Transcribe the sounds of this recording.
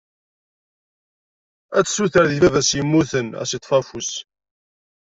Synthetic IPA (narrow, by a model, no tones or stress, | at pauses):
æt͡sːsuθəɾðiðæðæsjəmːuθənæ̰sit̪ˤːfæfus